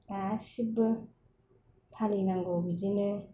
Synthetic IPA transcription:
asibɯ | pʰalinaŋɡɔwbizinɯ

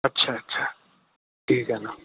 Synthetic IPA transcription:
ɐtːɕʰaɐtːt͡ʃʰa | ʈʰiːkɐna

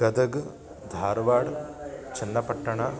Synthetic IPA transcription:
ɡɐd̪ɐɡ | d̪ʱaːɾʋaːɽt͡ʃɐnːɐpɐʈːɐɳa

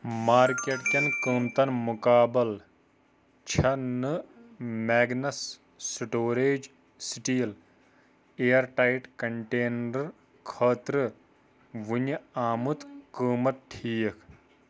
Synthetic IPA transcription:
maːɾkeʈkʲɐnkəːmt̪ɐnmukaːbɐl | t͡ʃʰɐnɨmeːɡnɐsː | iʈoːɾeːd͡ʒ | siʈiːl | eːɐɾʈaiʈkɐɳʈeːnɾɐɾ | kʰɐːt̪ɾɨ | ʋunɐaːmut̪kəːmɐt̪̚ʈʰiːkʰ

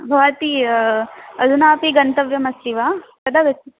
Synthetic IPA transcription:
bʱɐʋɐt̪i | ɐd̪unaːpiɡɐnt̪ɐʋjɐmɐsiʋaː | kɐd̪aɡɐt͡ʃːi

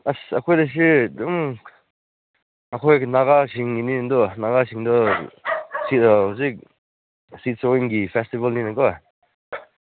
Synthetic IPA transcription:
asakʰɔjdas̬ɯd̪um | akʰɔjnaɡasiŋinind̪ɔnaɡasiŋd̪ɔ | sitɔɔs̬ik̚ | sit̚sɔiŋɡipʰɛstibalninakɔ

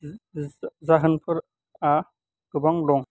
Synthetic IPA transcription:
zaɦɯnpʰɯɾ | a | ɡubaŋlɔŋ

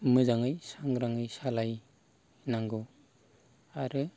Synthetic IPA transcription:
mɯzaŋɯjsaŋɾaŋɯjsalaj | naŋɡo | aɾɯ

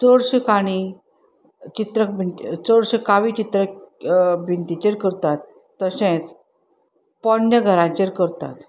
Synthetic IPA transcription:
t͡səɽɕekaɽ̃i | t͡ɕit̪ɾəkbʱinit͡səɽɕekaʋit͡ɕit̪ɾə | bʱint̪it͡ɕeɾkəɾt̪at̪ː | əsẽt͡s | pənjəɡʱəɾãt͡ɕeɾkəɾt̪a̰t̪

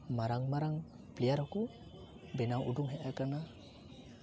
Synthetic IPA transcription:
maɾaŋmaɾaŋ | plijaɾɔku | bɛnawʔuduŋɦɛʔakana

